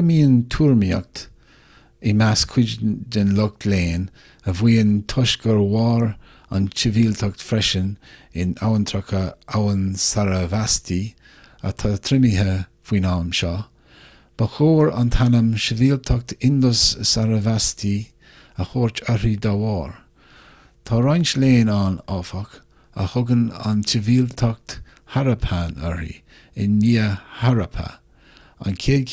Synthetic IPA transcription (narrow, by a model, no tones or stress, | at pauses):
əmiːənt̪ʰuːɹmia̰k̚t̪ | ɪmaskʰʊd͡ʒdənlʊk̚t̪ʰleːn | əvwiːənt̪ʰʊʃɡəɹwɑːɹ | a̰nt͡ʃəviːlt̪ʰɔk̚t̪fɾɛʃənɪna̰wənt̪ʰɾɔkʰəawənsaɾəvastʰi | ə̰t̪ʰat̪ʰɾɪmiɦəv̥wiːnaːmʃɔ | b̥əxoːɹa̰nt̪ʰanəmʃəviːlt̪ʰɔk̚t̪ʰɪndəsəsaɾəvastʰi | əxoːɹt͡ʃœɾid̪awɔːɹ | t̪ʰɑɾanʃleːnanɔfək | ə̰hʊɡəna̰nʃɪviːlt̪ʰɔk̚t̪ | haɾəpʰanœ̰ɹḭ | ɪnːiːəhaɾəpʰə̰ | a̰nkʰeː